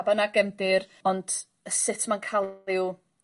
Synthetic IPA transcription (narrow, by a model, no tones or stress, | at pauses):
banaɡɛmdɪɾɔnd̥ | əsɪtʰmankʰalɪw